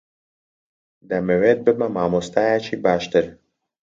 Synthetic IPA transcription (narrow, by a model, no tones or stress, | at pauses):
d̪amɛvɛd̪̚bəmamaːmost̪ajat͡ʃibaːʃt̪ɛɾ